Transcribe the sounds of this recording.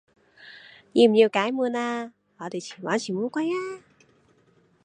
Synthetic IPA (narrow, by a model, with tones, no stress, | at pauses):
ɲi˧˩mɲi˨˩əwkaː˨˦jmɨ˧˩ənaː˧˩ | lɔ˨˩i˨˧˩t͡ɕi̥˧˩waː˨˦nt͡ɕi˧˩mu˧˦kwa˧˥˦jʔaː˧